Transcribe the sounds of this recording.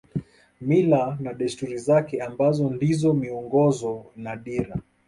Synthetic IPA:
milanaɗɛstuɾizakɛambazɔndizɔmiɔŋɡɔzɔnaɗiɾa

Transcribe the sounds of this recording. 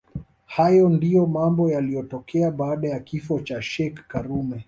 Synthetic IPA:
hajɔndijɔmambɔjalijɔtɔkɛaɓaːɗajakifɔt͡ʃaʃɛkːaɾumɛ

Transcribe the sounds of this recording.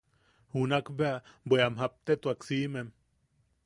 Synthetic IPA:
hunakbeabʷeamɦap̚t̪et̪uaksiːmem

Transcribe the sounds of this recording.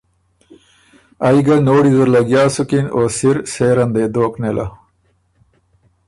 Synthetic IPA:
ajɡɐnoːɽizəɾlɐɡjaːsukinoːsiɾseːɾɐnd̪eːd̪oːknelʔɐ̰

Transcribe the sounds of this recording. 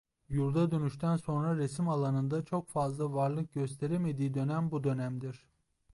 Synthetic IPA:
juɾd̪ad̪ø̞nyʃt̪ʰænso̞nɾaɾesimalˠanɯnd̪at͡ʃʰo̞kfazlˠavaɾlˠɯk̚ɟø̞s̬t̪ʰe̞ɾeme̞d̪iːd̪ø̞næmbud̪ø̞næmd̪iɾ̥

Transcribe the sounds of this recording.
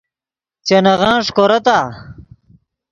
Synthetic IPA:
t͡ɕenɐʁãːʂkoɾɐt̪aː

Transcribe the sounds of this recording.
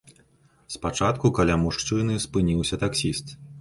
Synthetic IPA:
spat͡ʂat̪kukalʲamuʂt͡ʂɨnɨspɨnʲiwsʲɐt̪aksʲist̪

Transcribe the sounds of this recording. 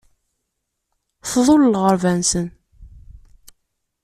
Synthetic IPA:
θðˤolːʁəɾvænsən

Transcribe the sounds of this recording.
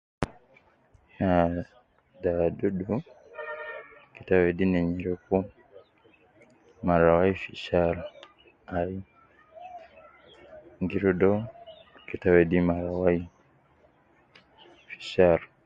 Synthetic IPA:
a | dadudu | kitawedineɲiɾuku | maɾawaifiʃaɾo | ai | ŋɡiɾudokitawedimaɾawai | fi̥ʃaɾo

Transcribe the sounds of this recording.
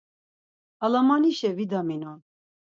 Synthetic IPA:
alamaniʃɛvid̪aminɔn

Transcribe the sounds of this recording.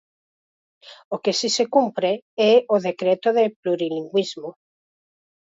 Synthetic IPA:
okesisekumpɾeɛoðekɾet̪oðepluɾiliŋɡwizmo

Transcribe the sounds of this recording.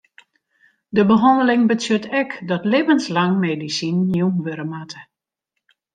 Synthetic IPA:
dəbəɦɔndəlɪŋbətjøtɛkdɔtlevənslaŋmeːdisinːjumʋøɾəmatə

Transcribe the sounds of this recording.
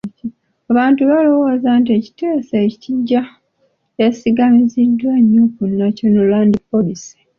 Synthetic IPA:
aβaːntuβalowozantie̞ci̥teːseciɟːa | e̞siɡamizidwaɲːokunːaco̞nolwaːndipo̞lisi̥

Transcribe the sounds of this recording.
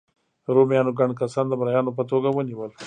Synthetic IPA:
ɾoːmjɑːnoɡaɳɖkɐsɑːnd̪əmɾajɑːnop̬ət̪oːɡawəniwəl

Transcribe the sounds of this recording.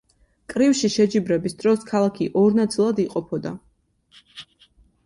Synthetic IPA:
kʼɾifʃiʃɛd͡ʒibɾɛbisd̪ɾɔskʰalˠakʰiʔɔɾnat̪sʼilˠad̪iqʼɔpʰɔd̪a̰

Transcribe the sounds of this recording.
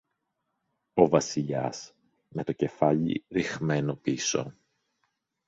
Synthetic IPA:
o̞vɐsiʎɐ̰s | me̞t̪o̞ce̞fɐʎḭɾixme̞no̞piso̞̰

